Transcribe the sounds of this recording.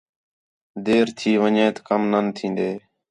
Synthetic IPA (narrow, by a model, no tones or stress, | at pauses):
d̪eːɾt̪ʰiːʋəɲẽːt̪kəmnənt̪ʰĩːnd̪eː